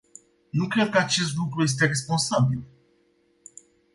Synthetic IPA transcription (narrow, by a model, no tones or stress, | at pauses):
nukɾed̪̚kəat͡ʃe̞st̪lukɾuje̞s̬t̪e̞ɾe̞s̬po̞nsabil